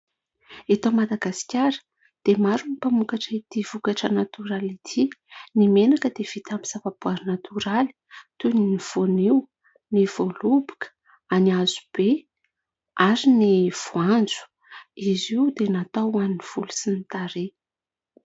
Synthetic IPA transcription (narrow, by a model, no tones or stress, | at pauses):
et̪omad̪aɡasi̥kʲaɾə̥ | d̪̥emaɾunipamukaʈ͡ʂəit̪iv̥ukaʈ͡ʂənat̪uɾalit̪ʰinimenakəd̪ev̥it̪amisavab̥uaɾinat̪ʰuɾali̥t̪uniniv̥oniw | niv̥olubu̥kə̥ | aniazu̥b̥e | aɾiniv̥uand͡zu̥ | iziwd̪enat̪awaniniv̥ulusinit̪aɾe